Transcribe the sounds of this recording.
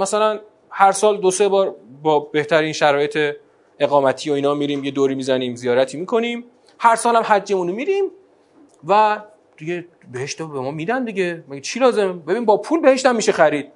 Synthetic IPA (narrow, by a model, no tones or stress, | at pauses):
mæsælæn | hæɾsɒːld̪ose̞bɒːɾbɒːbe̞ht̪ʰæɾiːnʃæɾɒːjet̪ʰe̞ | e̞ɣɒːmæt̪ʰiːjoiːnɒːmiːɾiːmje̞d̪oːɾiːmizæniːmzijɒːɾæt̪ʰiːmiːkʰo̞niːm | hæɾsɒːlæmɦæd͡ʒːe̞muːnomiɾiːm | væ | d̪̥iɡe̞ | beheʃt̪ebemɒːmiːd̪ænd̪iɟe̞mæɡet͡ʃʰilɒːze̞mbebinimbɒːpʰuːlbe̞he̞ʃt̪æmːiːʃexæɾiːd̪̥̚